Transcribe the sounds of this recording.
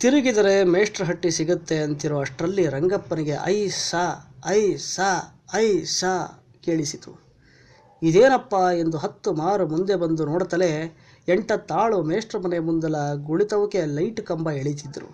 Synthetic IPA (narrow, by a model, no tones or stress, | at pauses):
t̪iɾiɡid̪ɐɾe̞meːʂʈɾɐɦɐʈːisiɡut̪ːe̞ɐnt̪iɾoːɐʂʈɾɐlːiɾɐŋɡɐpːɐniɡe̞ʔɐ̰jsaɐjsaː | ɐjsaː | ke̞ːɭisit̪ṵ | id̪eːnɐpːɐe̞nd̪uɦɐt̪ːumaːɾumund̪e̞bɐnd̪unoːɽɐt̪ɐle̞ | eɳʈɐt̪ːaːɭumeːʂʈɾɐmɐnejmund̪ɐlɐɡuɭit̪ɐʋɐke̞lɐjʈkɐmbɐeɭit̪̬id̪ːɐɾṵ